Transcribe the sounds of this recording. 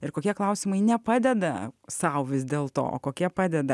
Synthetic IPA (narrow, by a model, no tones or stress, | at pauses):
ɪɾkoːkʲiɛklˠɐʊsʲɪmɐɪnʲɛpɑːd̪ʲɛd̪ɐsɐʊʋʲɪsd̪ʲeːlˠt̪o̰ːo̰ːkoːkʲiɛpɑːd̪ʲɛd̪ɐ